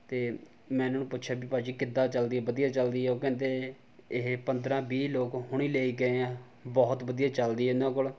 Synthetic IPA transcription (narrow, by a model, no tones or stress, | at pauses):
t̪eː | mɛ̃ːnãːnũːpʊt̪ːʃʰaːbiːpaːd͡ʒiːkɪd̪ːãːt͡ʃəld̪iːɛːbəd̪ijaːt͡ʃəld̪iːɛːoːkɛ̃ːnd̪eː | ɪɦpənd̪ɾãːbiːloːkhʊɳ̃iːleːiːɡəeãː | bɔːt̪bəd̪ijaːt͡ʃəld̪iːɦɛːnãːkol